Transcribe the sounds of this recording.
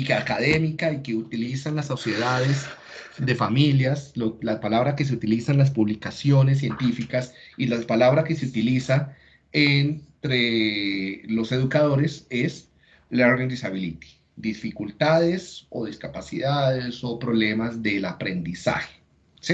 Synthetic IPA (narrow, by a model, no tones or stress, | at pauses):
ikeakaðe̞mikaike̞ut̪ilisanlasːosje̞ðaðe̞zd̪e̞familjaslolapalaβɾake̞s̬eut̪ilisanlas̬puβlikasjo̞nes̬ːje̞nt̪ifikasilapalaβɾake̞seut̪ilisa | ent̪ɾe | lo̞se̞ðukaðo̞ɾe̞ses | loɾɣand̪isaβilit̪i̥ | d̪ifikult̪aðe̞so̞ðiskapasiðaðeso̞pɾo̞βle̞mazd̪e̞lapɾe̞nd̪isa̰xe̥ | si